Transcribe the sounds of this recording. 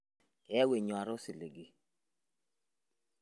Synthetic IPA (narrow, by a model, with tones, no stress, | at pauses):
kɛ˨ɛ˦we˨ɲ˨a˨ɾɔ˦si˨le˨ɡi˨